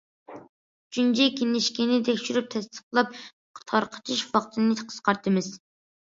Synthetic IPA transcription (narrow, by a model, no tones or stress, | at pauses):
t͡ʃʰynt͡ʃʰɛkʲʰenɪʃkʲinɪt̪ʰɛkʲʃyɾyp̚t̪ʰɛst̪ə̥qlˠɑp̚ | qʰt̪ʰɑɾqʰə̥t̪ʰɨʃvɑqt̪ʰɨnɨqʰə̥z̥qɑɾt̪ʰɨmɨz